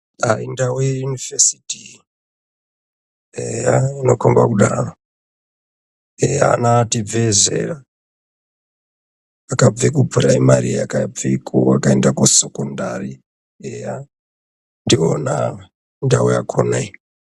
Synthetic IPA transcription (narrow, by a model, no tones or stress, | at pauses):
aindawejunivesi̥ti | ejaino̞kombakuɗaro | eja̰nativezḛra | kab͡vikubʱuɾaimaɾiakab͡vikʰuakaendakusekondari | eja | ndiona | ndawuja̰kʰonai